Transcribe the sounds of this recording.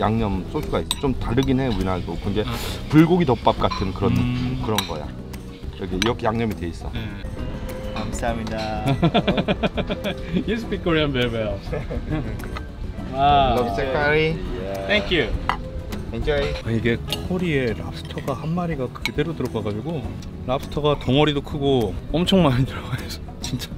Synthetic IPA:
jaŋɲʌms͈osʰuɡaik̚s͈ʌt͡ɕ͈omtaɾɯɡinɦe̞uinaɡokɯnd͡ʑe̞puɭɡoɡidʌp̚p͈ap̚k͈atʰɯnkɯɾʌnkɯɾʌnɡʌ̰ja̰ | iɾʌkʰeiɾʌkʰejaŋɲʌmitwe̞is͈ʌ | amsamɲida | juspʰikʰoɾiʌmbebe | alʌkisekʰaɾijt̪ʰeŋkʰju | t̪ʰeŋkʰjueaiɡe̞kʰkʰoɾie̞ɾap̚s͈ʰɯ̥tʰʌɡahanmaɾiɡakɯde̞ɾotɯɾʌɡaɡad͡ʑiɡo | ɾap̚s͈ʰɯ̥tʰʌɡatʌŋʌɾidokʰɯɡoʌmt͡ɕʰʌŋmaɲitɯɾʌɡaes͈ʌt͡ɕint͡ɕ͈ḁ

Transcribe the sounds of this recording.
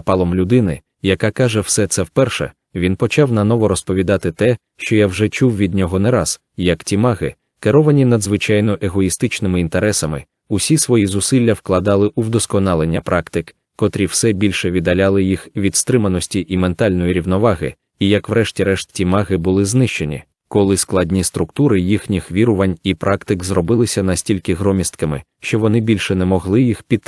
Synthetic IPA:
pɑlˠɔmlʲʊd̪ɪnɪ̰ | jɐkakaʒɛwsɛt̪sɛwpɛrʃɛ̰ | ʋʲinpɔt͡ʃawnɐnɔʋɔɾɔspɔʋʲid̪ɑt̪ɪt̪ɛ | ʃt͡ʃɔjawʐɛt͡ʃuwʋʲid̪̚ʲnʲɔɦɔnɛɾaz̥ | jɐktʲimɑɣɪ̰ | keɾɔʋɐnʲinɐd̪zʋɪt͡ʃajnɔʔeɦɔist̪ɪt͡ʃnɪmɪint̪eɾɛsɐmɪ̰ | ʊsʲisʋɔjizʊsɪlʲːɐwklˠɐd̪ɑlˠɪʔuwd̪ɔskɔnɑlˠenʲːɐpɾʔɑkt̪ɪk | kɔt̪ɾʲiwsɛbʲilʲʃɛʋʲid̪ɐlʲalˠɪjixʋʲid̪st̪ɾɪmɐnɔsʲtʲiʔiment̪ɑlʲnɔjiɾʲiwnɔʋɑɦɪ̰ | ijɐkʋɾɛʃtʲiɾɛʃtʲimɑɣɪbʊlˠɪznɪʃt͡ʃe̞nʲḭ | kɔlˠɪsklˠɑdʲnʲist̪ɾʊkt̪uɾɪjixnʲixʋʲiɾʊʋɐnʲipɾʔɑkt̪ɪkzrɔbɪlˠɪsʲɐnɐsʲtʲilʲkɪɦɾɔmʲist̪kɐmɪ̰ | ʃt͡ʃɔʋɔnɪbʲilʲʃɛnɛmɔɦlˠɪjixpʲid̪

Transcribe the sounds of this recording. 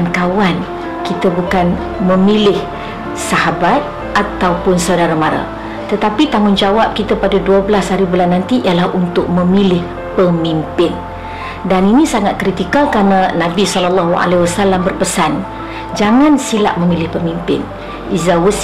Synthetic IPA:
nkawan | kit̪əbukan | mə̃milɪh | saɦabat̪̚ | ʔat̪awpʊnsaudaɾamãɾa̰ | t̪ət̪apit̪aŋʊnd͡ʒawap̚kit̪apadaduəbəlashaɾibulanːãnt̪iʔialahunt̪ʊk̚mə̃milɪh | pəmimpɪn | daninĩsaŋat̪̚kɾit̪ikalkɾananãbisɔlalːaɦua̰lewasalambərpəsan | d͡ʒaŋãnsila̰ʔ̚mə̃milɪhpəmimpɪ̰n | ʔizawəs

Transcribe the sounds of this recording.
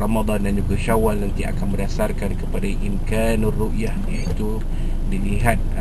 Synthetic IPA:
rɑmad̪ˤɑndand͡ʒuɡaʃawalnant̪ia̰kanmədasarkankəpadaʔimkanruʔjahjait̪u | diliɦat̪̚

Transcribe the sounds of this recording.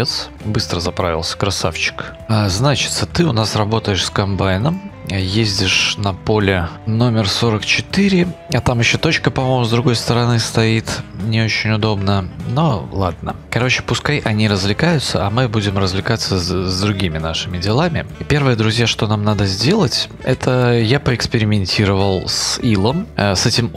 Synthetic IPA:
et̪s | bɨst̪ɾəzɐpɾa̰vʲɪlˠsʲə̥kɾɐsa̰ft͡ɕɪ̥k | aznat͡ɕɪ̥t̪sət̪ɨʊnasɾɐbo̞t̪əjɪʂskɐmbajɪnəmjezʲdʲɪʂnɐpo̞lʲɪno̞mʲɪrso̞ɾəkt͡ɕɪt̪ɨɾʲɪɐt̪amjɪɕːot̪o̞t͡ɕkəpɐmojmʊzd̪ɾʊɡo̞jst̪əɾɐnɨst̪ɐit̪nʲɪot͡ɕɪnʲʊd̪o̞bnənolˠad̪̚nə̰kɐɾo̞t͡ɕɪ̥pʊskajʔɐnʲiɾəzvlʲɪkajʊt̪sə̰ɐmɨbudʲɪmrəzvlʲɪkat̪sːəzd̪ɾʊɡʲimʲɪnaʂɨmʲɪdʲɪlˠamʲɪpʲe̞rvɨjəd̪ɾʊzʲjaʂt̪o̞namnad̪əzʲdʲe̞lˠətʲɛt̪ʰəjapəɪkspʲɪɾʲɪmʲɪnʲtʲiɾəvəlˠsilˠəmsɛtʲɪm

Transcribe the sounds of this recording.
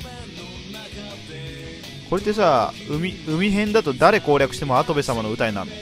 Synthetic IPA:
ko̞ɾe̞t̪ːe̞s̬aː | mʲiɯ̟mʲiɦẽ̞nd̪at̪o̞d̪aɾe̞ko̞ːɾʲakɯ̟ɕi̥t̪emoat̪o̞be̞samano̞ɯ̟t̪ainã̰n

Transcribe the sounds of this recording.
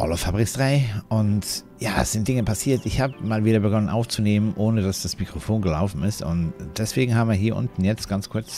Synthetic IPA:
ʔɔ̰ləfabʁɪksd̥ʁaɪʔʊnt | jaːɛ̰sz̥ɪnt̚d̥ɪŋəpʰasiːɐtʔɪçhaːbəmaːlviːɾɐbəɡɔnənʔa̰ʊft͡suneːmənʔoːnəd̥asd̥asmikʁ̥ofoːnɡəlaʊfn̩ɪstʊntd̥ɛsv̥eːɡŋ̩haːbmviːɐɦiːɐʔʊ̰ntn̩jɛt͡stɡ̥ant͡skʰʊɐt͡s

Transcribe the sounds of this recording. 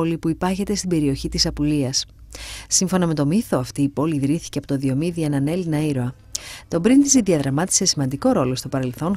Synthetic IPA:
lipuipɐɾçet̪e̞st̪ibe̞ɾio̞çit̪isɐpuliɐsː | iɱfo̞nɐme̞t̪o̞miθo̞ɐft̪iːpo̞liðɾiθi̥ceɐpo̞t̪oðio̞miðie̞nɐne̞linɐiɾoɐ | t̪o̞bɾint̪iziðiɐðɾɐmɐt̪i̥se̞simɐnd̪iko̞ɾo̞lo̞st̪o̞pɐɾe̞lθo̞n

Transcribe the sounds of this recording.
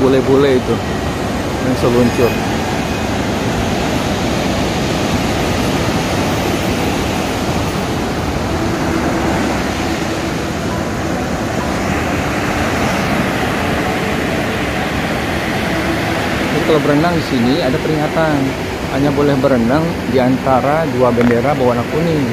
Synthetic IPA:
bolɛhbolɛhit̪u | dansəluɲt͡ʃʊr | dik̪alawbəɾənaŋdisiniadapəɾiŋat̪an | haɲabolɛhbəɾənaŋ | diant̪aɾaduabəndeɾabawanakuni

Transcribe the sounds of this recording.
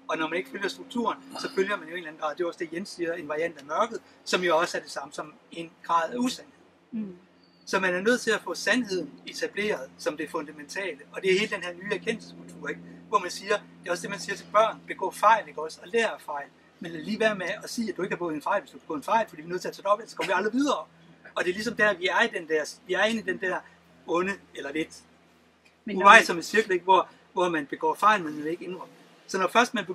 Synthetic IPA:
ɒ̽nɒmæne̝ɡ̥əføljɐsd̥ʁuɡ̥̚t͡sʰṵːɐnsɒ̽føljɐmænjoe̝ːnlæn̩ɒd̥e̝joɒ̽sd̥e̝jensiːɐe̝nʋɑ̈ʁiæn̰d̥æmɶɐɡ̥ð̞̩ˠ | sɒ̽mjo̝ɒ̽sæɐd̥e̝sɑ̈məsɒ̽me̝nɡ̥ʁɑ̈ːð̞̩̰ˠæusænheð̰ˠ | sɒ̽mænæɐnøð̰ˠt͡sʰe̝læfɔ̰̽ːsænhe̝ð̞̰ˠn̩e̝t͡sʰæb̥le̝̰ːɐðˠsɒ̽md̥e̝fɔ̽nd̥æment͡sʰɛ̰ːləɒ̽d̥e̝æhe̝ːləd̥enhæɐ̰nyːæɐkʰen̰l̩sə̥skʰult͡sʰṵːɐ̰eɡ̥ʋɒmænsiːɐd̥e̝ɒ̽sd̥e̝mænsiːɐt͡sʰe̝lb̥ɶɐ̰nb̥e̝ɡ̥ɔ̰ːfɑ̈ɪ̰le̝ɡ̥ɒ̽sɒ̽leːɐɐfɑ̈ɪ̰l | menlæliːʋæɐ̰meɒsḭːæd̥ue̝ɡ̥hɑb̥ɔ̰ːð̩ˠenfɑ̈ɪlʋesd̥ub̥ɔ̰ðˠnfɑ̈ɪlfd̥iːʋinøðˠt͡sʰæɐt͡sʰɛːd̥ɒ̽b̥elsɒ̥kʰɒmɐʋiɑ̈ld̥əʋið̞ˠɐ | ɒ̽d̥e̝lisɒ̽md̥æɐʋiæɐid̥end̥æɐsʋiæɐe̝nid̥end̥æɐ | ɔ̽nəelɐled̥ | ɑ̈ɪlsɒ̽me̥siɐɡ̥l̩e̝ɡ̥̚ʋɒ | ʋɒmænb̥e̝ɡ̥ɒ̰ːfɑ̈ɪlmenmee̝ɡ̥enʁɒ | sɒnɒfɶɐsd̥mænb

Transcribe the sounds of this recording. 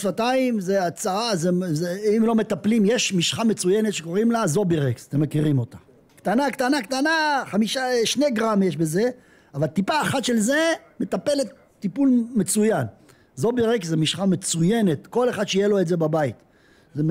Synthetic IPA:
vataimzeat͡saʁazezeimlo̞me̞t̪aplimjeʃmiʃχame̞t͡sujene̞t̪ʃeko̞ʁimlazo̞biʁeksḁt̪emːekiʁimo̞t̪ḁ | kt̪anakt̪anakt̪anaχamiʃaʃne̞ɡʁamjeʃbe̞ze̞ | avalt̪ipaːχat̪ʃe̞lze̞ | me̞t̪ape̞let̪ːipulme̞t͡sujan | zo̞biʁekszemiʃχame̞t͡suje̞ne̞t̪ko̞le̞χad̪ʃeijelo̞etze̞babait̪ | ze

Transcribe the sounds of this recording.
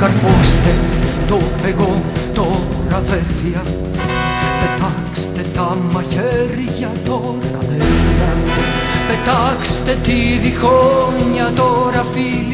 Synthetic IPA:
kaɾfost̪et̪opeɣot̪o | ɾaðetiɐ | pet̪akst̪et̪amaçeɾʝat̪o | ɾaðɛviɐ | pet̪akst̪et̪iðixoɲat̪oɾafil

